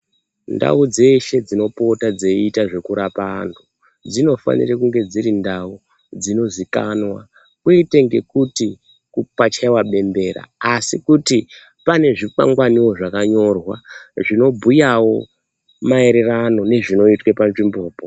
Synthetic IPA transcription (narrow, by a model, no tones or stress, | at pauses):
nda̰ud͡ze̞ʃe̞d͡zino̞po̞tad͡zeitaʐe̞kuɾapaːntʰu | d͡zino̞fa̰nḭrekuŋɡe̞d͡ziɾindau | d͡zino̞zika̰nwa | kwuiteŋɡe̞kuti | kupat͡ʃaiwaɓe̞mbe̞ːra̰asikuti | pane̞ʐipa̰ŋɡwaniwo̞ʐakaɲo̞rwa̰ʐino̞bʱujawo̞ | mae̞ɾe̞rano̞ne̞ʐino̞itwepanʐimboːpo